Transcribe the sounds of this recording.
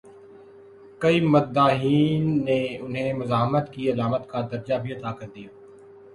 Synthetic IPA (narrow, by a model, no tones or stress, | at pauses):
kɐiːmɐd̪aːɦiːnːeʊnɦẽmʊzaːɦmət̪kiɐlaːmət̪kad̪ɐɾd͡ʒabʱiɐt̪aːkɐɾd̪ijaː